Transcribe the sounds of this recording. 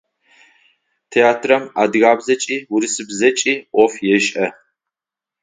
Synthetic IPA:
tʰeaːtʰrɐma̰dɣaːbzɐt͡ʃʼiːwuɾisɨbzɐt͡ʃʼiːʔɔfjɛʃʼʔɐ

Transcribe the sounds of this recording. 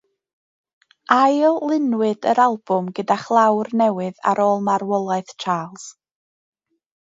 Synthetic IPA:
ajlˠlˠɪnwɨdəɾalˠb̥ʊmɡədaχlˠawrnɛwɨða̰ɾoːlˠmarwɔlˠaɨθt͡ʃʰaːlˠs

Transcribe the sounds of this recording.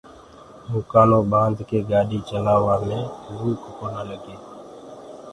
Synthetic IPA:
mʊkaːnõːbãːnd̪keːɡaːɗiːt͡ʃəlaːʋaːmẽːɾuːkkoːnaːləɡeː

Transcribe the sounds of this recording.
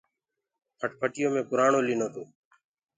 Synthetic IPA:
pʰəʈpʰəʈɪjõːmẽːpʊɾaːɳoːliːnoːt̪oː

